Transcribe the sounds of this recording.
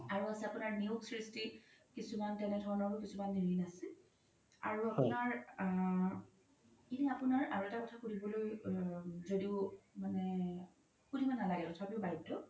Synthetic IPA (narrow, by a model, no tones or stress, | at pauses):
aɹuasɛapunaɹniuksɹistikisumantɛnɛdʱɔɹɔnɔɹpukisumanːiɹinasɛ | a̰ɹuapunaɹ | kinɛapunaɹaɹɔɛtakɔtʰakudibɔloj | zodiʊmanɛ | xudʱibanalaɡɛkɔtʰaapibajdɔ